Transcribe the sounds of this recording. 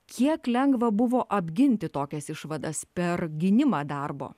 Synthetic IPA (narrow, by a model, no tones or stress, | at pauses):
kʲiɛklʲɛŋɡʋɐbʊʋoːʔɐbʲɡʲɪnʲt̪ʲɪt̪oːkʲɛsɪʃʋɐd̪ɐspʲɛɾɡʲɪnʲɪmɑːd̪ɐrbo̰ː